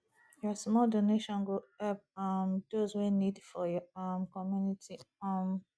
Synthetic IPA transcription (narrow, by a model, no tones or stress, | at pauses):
jɔsmɔldoneʃɔ̃nɡoɛpmd̥ozwenidfɔjɔamkɔmjunitʰi | am